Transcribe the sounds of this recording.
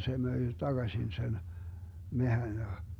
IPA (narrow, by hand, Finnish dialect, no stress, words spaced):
se møi tɑɡ̊ɑsʲin sen mehæn jɑ